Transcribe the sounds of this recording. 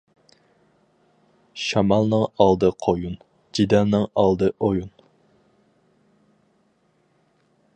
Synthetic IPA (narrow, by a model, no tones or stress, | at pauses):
ʃɑmɑlˠnɨŋɑlˠd̪ɨqʰojun | d͡ʒid̪ɛlnɨŋɑlˠd̪ɨʔojun